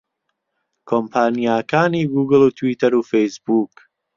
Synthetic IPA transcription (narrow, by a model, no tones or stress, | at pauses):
kʰompʰaːnijaːkaːniːɡuːɡɨlˠuːt̪ʰwiːt̪ʰɐɾuːfejsbuːk